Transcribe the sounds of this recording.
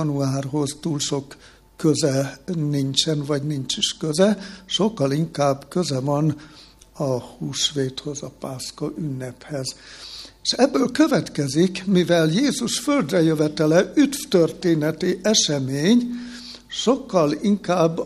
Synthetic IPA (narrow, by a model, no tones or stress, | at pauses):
nuaːrɦo̞zt̪uːlʃo̞kː | øzɛnint͡ʃɛnvɒɟniɲt͡ʃiʃkøzɛʃo̞kːɒliŋkaːbkøzɛvɒn | ɒhuːʃʋeːt̪ho̞zɒpaːskɒʔynːɛphɛzeʃɛbːøːlkø̞vɛt̪kɛzikmivɛljeːzuʃføld̪rɛjøvɛt̪ɛlɛʔyt̪ft̪ørt̪eːnɛt̪iʔɛʃɛmeːɲ | ʃo̞kːɒliŋkaːbː